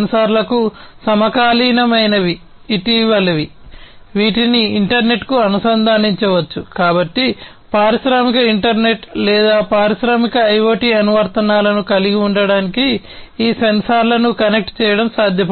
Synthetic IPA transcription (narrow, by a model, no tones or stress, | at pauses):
nsaːɾlɐkusɐmɐkaːliːnɐmɐjnɐʋiː | ʈiʋɐlɐʋi | ʋiːʈiniːɳʈɐɾne̞ʈkuɐnusɐnd̪ʱaːniɲt͡ʃɐʋɐt͡ʃːukaːbɐʈːi | paːɾiʃɾaːmikɐiɳʈɐɾne̞ʈlɛːd̪aːpaːɾiʃɾaːmikɐɐjʋoːʈiɐnuʋɐɾt̪ɐnaːlɐnukɐliɡiuɳɖɐɽaːniki | iːsensaːɾlɐnukɐne̞k̚ʈt͡ʃɛːjɐɽɐmsaːd̪ʱjɐm